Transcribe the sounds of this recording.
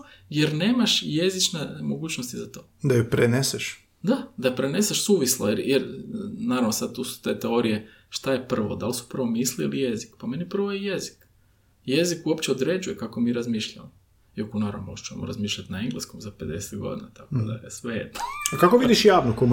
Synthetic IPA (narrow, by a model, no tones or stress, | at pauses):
jeɾne̞ːmaʃje̞zit͡ʃnemoɡuːt͡ɕnost̪izat̪oːd̪ajopɾeneseʃ | d̪ad̪apɾene̞seʃsuːʋislˠajejeɾnaːɾaʋnosad̪̚t̪usu̥t̪e̞ːt̪eo̞ɾije̞ | ʃt̪aje̞pr̩ʋod̪alsu̥prɾ̩ʋo̞miːsliilije̞zikpame̞nipr̩ʋojejezi̥k | je̞zikuopt͡ɕeod̪ɾe̞d͡ʒujekako̞miːɾazmiːʃʎamo | jokonaɾa̰not͡ʃuemoɾazmiːʃʎʲat̪naeŋɡlˠeskomzape̞d̪ese̥t̪ɡo̞̰d̪inat̪akod̪aesʋejḛd̪nokakoʋid̪iʃjaːʋnokom